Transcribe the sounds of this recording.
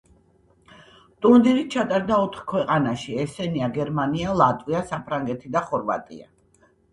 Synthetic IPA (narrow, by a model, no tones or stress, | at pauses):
t̪ʼund̪ɛnit̪̚t͡ʃʰat̪ʼaɾd̪aɔt̪ʰχkʰwɛqʼanaʃiɛsɛniaɡɛɾmanialˠat̪ʼwiasapʰɾaŋɡɛt̪ʰid̪aχɔɾva̰t̪ʼḭa̰